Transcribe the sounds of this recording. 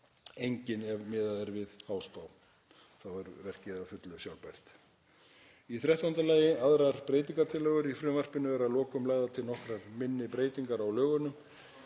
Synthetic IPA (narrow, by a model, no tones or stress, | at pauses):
ejɲcɪnɛvmɪːðaðɛɾvɪðhaːwst̪aw | θawɛɾvɛr̥cɪðafʏt̪lʏsjawlpajr̥t̪ | iθɾjaɛht̪aʏnt̪alaːjɪaðɾaɾ̥pɾeːjt̪̬iŋkat̪ʰɪlœːɣʏɾifɾʏːvar̥pɪnʏvɛɾaðlɔːkʏmlaːjðat̪ʰɪlnɔhkɾaɾmɪnːɪpɾeːjt̪iŋkaɾawlœːɣʏnːʏm